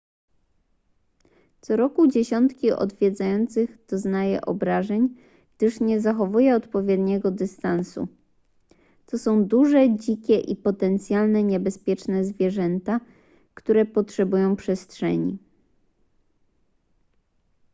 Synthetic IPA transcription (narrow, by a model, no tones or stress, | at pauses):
t̪sɔɾɔkud͡ʑeɕɔnt̪kʲiʔɔ̰d̪vʲjɛd̪zajɔnt̪sɘɣd̪̥ɔznajɛ̰ʔɔ̰bɾaʐɛɲ | ɡd̪̥ɘʂɲɛzaxɔvujɛɔt̪pɔvʲjɛd̪ɲɛɡɔd̪ɘst̪ansṵ | t̪ɔsɔ̃w̃d̪uʐɛd͡ʑikʲɛʔipɔt̪ɛnt̪sʲjalnɛɲɛbɛspʲjɛt͡ʂnɛzvʲjɛʐɛnt̪a | kt̪uɾɛpɔtʂɛbujɔ̃w̃pʂɛstʂɛ̰ɲḭ